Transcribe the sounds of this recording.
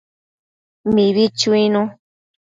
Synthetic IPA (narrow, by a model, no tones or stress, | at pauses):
miβit͡ʃuinũ